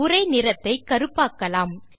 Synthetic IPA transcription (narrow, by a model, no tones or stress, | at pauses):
ʊɾɐɪnɪɾɐt̪ːɐɪkːɐɾɯpːaːkːɐlaːm